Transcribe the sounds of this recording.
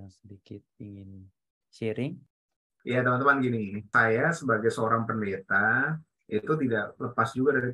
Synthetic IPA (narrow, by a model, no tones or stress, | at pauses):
sədikɪt̪̚iŋin | t͡ʃiɾɪŋ | jat̪əmant̪əmanɡinisajasəbaɡajsəoɾaŋpəndet̪a | it̪ut̪̬idaʔləpasd͡ʒuɡadaɾi